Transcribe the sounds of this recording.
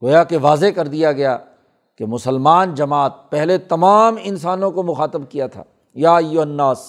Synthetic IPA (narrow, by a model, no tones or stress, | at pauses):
ɡoːjakeʋaːzekɐɾd̪ijaɡɐja | kemʊsəlmaːnd͡ʒɐmaːt̪̚pɛɦlet̪ɐmaːmɪnsaːnõkomʊxaːt̪əbkijat̪ʰa̰ː | jaːɐjːʊɦɐnːaːs